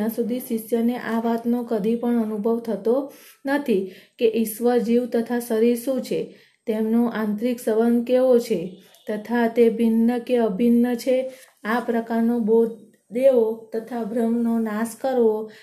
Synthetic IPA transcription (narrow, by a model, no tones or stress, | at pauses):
ãsud̪ʱiʃiʃjəneʔaʋat̪nokəd̪ʱĩpəɳənubʱəʋt̪ʰət̪o | nət̪ʰikeʔiʃʋəd͡ʒiʋt̪ət̪ʰasəɾiɾsũt͡ʃʰe | t̪emnoʔãnt̪ɾiksəʋənd̪keʋot͡ʃʰe | t̪ət̪ʰat̪ebʱinːəkeəbʱinːət͡ʃʰe | apɾəkaɾnobod̪ | d̪eot̪ət̪ʰabʱɾəmnonaskəɾo